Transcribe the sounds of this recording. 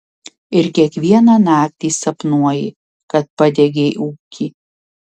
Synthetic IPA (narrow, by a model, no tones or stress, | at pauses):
ɪɾkʲiɛkʋʲiɛnɑːnɑːk̚t̪ʲiːsɐpnuɔjɪ | kɐt̪̚pɐd̪ʲɛɡʲeʔuːkʲiː